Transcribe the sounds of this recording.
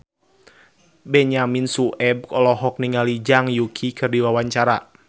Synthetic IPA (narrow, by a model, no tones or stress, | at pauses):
bɛɲaminsuʔɛb̚kɔlɔɦɔk̚niŋalid͡ʒaŋjukʰikʰɨrdiwawaɲt͡ʃaɾa